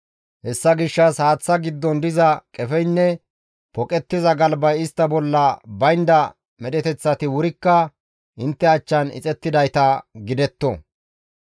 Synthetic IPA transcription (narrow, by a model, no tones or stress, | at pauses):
hɛsːɐɡɪʃːɐshaːt͡sːɐɡɪd̪ːɔnd̪ɪzɐkʼɛfɛjnːɛ | pɔkʼɛt̪ːɪzɐɡɐlbɐjɪst̪ːɐbɔlːɐbɐjnd̪ɐ | mɛɗɛt̪ɛt͡sːɐt̪ɪwʊɾɪkːɐ | ʔɪnt̪ːɛɐt͡ʃːɐnɪ̰t͡sʼɛt̪ːɪd̪ɐjt̪ɐɡɪd̪ɛt̪ːɔ